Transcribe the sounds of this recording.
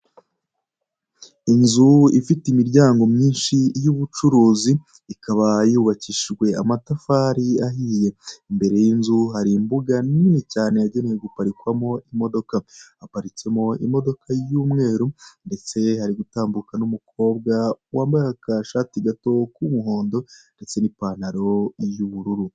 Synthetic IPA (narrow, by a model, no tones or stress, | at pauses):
inzuifitimiɾɟaːŋɡo̞mɲiːnʃijuβut͡ʃuɾuːziː | kaβajuβaciʃiɡwe̞amatafaɾiaɦiːje̞imbe̞ɾe̞jinzuɦaɾimbuɡaninicaːne̞jaɟe̞nejeɡupaɾikwamo̞ʔimo̞do̞kaapaɾice̞mo̞ḭmo̞do̞kʰajuːmŋe̞ːɾunde̞t͡se̞haɾiɡutaːmbukanumukʰo̞ːbɡawaːmbaɾehakaʃaːtiɡato̞kumuɦo̞ːndo̞nde̞t͡se̞nipaːn̥aɾo̞juβuɾuɾu